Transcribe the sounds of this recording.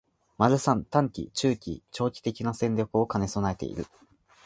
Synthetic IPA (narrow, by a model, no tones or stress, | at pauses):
maɾɯ̟sãnt̪ãŋkʲḭt͡ɕɨːkʲḭt͡ɕo̞ːkʲi̥t̪e̞kʲinasẽɲɾʲokɯ̟o̞kane̞so̞naet̪e̞̰ḭɾɯ̟̰